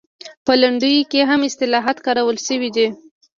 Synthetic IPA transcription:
pəlaɳɖəjkeɦamɪst̪ɪlɑɦat̪kɑɾawəlʃəwid̪i

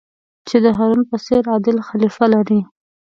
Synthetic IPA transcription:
t͡ʃed̪əɦaɾunpəseɾɑd̪ɪlxalifalaɾi

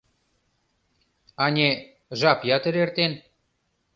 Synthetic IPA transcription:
ɑnʲe | ʒɑpjɑt̪ə̆ɾert̪en

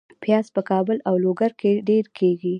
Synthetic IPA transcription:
pjɑzpəkɑbəlawloɡaɾkʰeɖeɾkʰeɡi

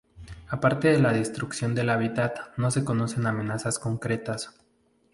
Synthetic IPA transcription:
apaɾt̪e̞ðe̞laðest̪ɾuksjo̞nd̪e̞laβit̪at̪no̞se̞ko̞no̞se̞namẽ̞nasasko̞ŋkɾe̞t̪as

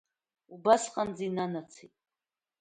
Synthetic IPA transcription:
ubasqʼand͡zinanat͡sʰitʼ

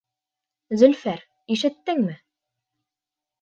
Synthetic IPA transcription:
zɵ̆lfæɾ | iʃɘ̆t̪ːɘŋmɘ

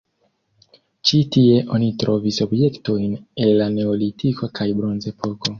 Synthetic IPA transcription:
t͡ʃitie̞ʔo̞nitɾʔo̞viso̞bje̞kto̞jne̞lːane̞olitʰikʰokʰajbɾo̞nze̞pʰo̞ko̞

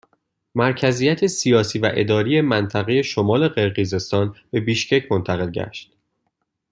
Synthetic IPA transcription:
mæɾcʰæziːjæt̪ʰe̞sijɒːsiːvæʔe̞̰d̪ɒːɾijemænt̪ʰæɣeje̞ʃomɒːle̞ɢe̞ɾɣize̞st̪ɒːnb̥e̞biːʃcʰe̞cʰmo̞nt̪ʰæɣe̞lɟæ̰ʃt̪

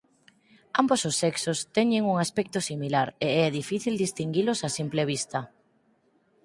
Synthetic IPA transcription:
ambososːɛksost̪ɛɲeŋuŋaspɛk̚t̪osimilaɾeɛðifiθild̪ist̪iŋɡilʊsasimpleβ̞ist̪ɐ

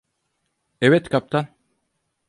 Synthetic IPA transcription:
evet̪kʰap̚t̪ʰan

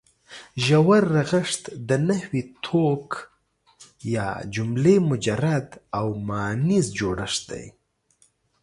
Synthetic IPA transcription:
ʒawaɾːaɣaʂt̪d̪ənahwit̪ʰok | jɑ̰d͡ʒʊmlemʊd͡ʒaɾad̪awmɑnizd͡ʒoɽəʂ̚d̪a̰j

